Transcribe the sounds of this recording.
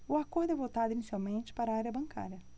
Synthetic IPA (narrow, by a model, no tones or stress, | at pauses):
ʊakoɾd̪ʊɛvot̪ad̪ʊinisiawmẽnt͡ʃɪ̥paɾɐaɾjɐbɐ̃ŋkʰa̰ɾjɐ